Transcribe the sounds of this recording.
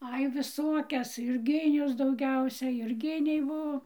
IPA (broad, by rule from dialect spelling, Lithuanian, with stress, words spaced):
ˈɐɪ ʋʲɪˈsoːkʲɛs jʊrʲˈɡʲɪnʲʊs dɐʊˈɡʲɛʊsʲɛ jʊrʲˈɡʲɪnʲɛɪ ˈbuɔ